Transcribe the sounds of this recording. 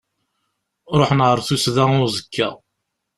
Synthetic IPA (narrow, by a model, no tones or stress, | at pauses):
ɾˤoħnʁəɾˤθusðæʊɾzˤəkːæ